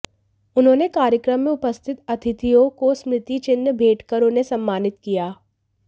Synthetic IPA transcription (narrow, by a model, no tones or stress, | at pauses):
ʊnɦõːnekaːɾjəkɾəmːẽʊpəst̪ʰɪt̪ɐt̪ʰɪt̪ijõkosmɾɪt̪it͡ʃɪnːəbʱeːʈkəɾʊnesɐ̃mːaːnɪt̪kijaː